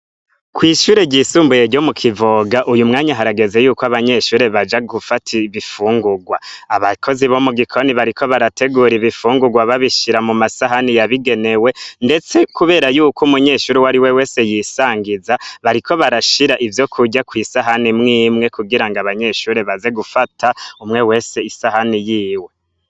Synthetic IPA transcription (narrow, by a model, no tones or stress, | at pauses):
kwiːʃuːɾe̞ɟiːsuːmbuje̞ɾɟo̞mukʰivoɡaʔujumŋaːɲaɦaɾaɡe̞ze̞juːkoaβaɲe̞ʃuːɾe̞βad͡ʒaɡufatʰiβifuːŋɡuɡwaaβakʰo̞ziβo̞muɡikʰo̞niβaɾikʰo̞βaɾatʰe̞ɡuːɾiβifuːŋɡuɡwaβaβiʃiɾamumasaɦanijaβiɡe̞ne̞we̞nde̞t͡se̞kuβe̞ːɾajuːkumuɲe̞ʃuːɾiwaɾiwe̞weːse̞jisaːŋɡizaβaɾikʰo̞βaɾaʃiɾaʔivjo̞kʰuɟakwiːsaɦanimŋiːmŋe̞kuɡiɾaŋɡaβaɲe̞ʃuːɾe̞βaze̞ɡufatʰaumŋe̞we̞ːse̞isahanijiːwe̞